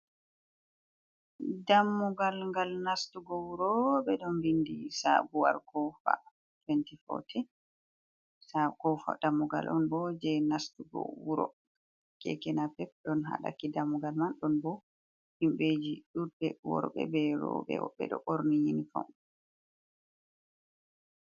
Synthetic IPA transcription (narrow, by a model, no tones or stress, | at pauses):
damːɔɡalŋɡalnastuɡɔwuɾɔbɛɗɔnbindisa̰buwa̰lkɔfa̰ | twɛntifɔ̰tʰɛ | sakɔfa̰damːɔɡa̰lʔɔnbɔd͡ʒɛnastuɡɔ̰wuɾɔ̰ | kɛ̰kɛnapɛp̚ɗɔnɦa̰ɗa̰kidamːuɡalmanɗɔnbɔ | himbed͡ʒiɗuɾbɛwɔ̰ɾɔɓɛ̰bɛɾɔ̰bɛ̰ɓɛ̰ɗɔ̰ʔoɾnijinifɔ̰m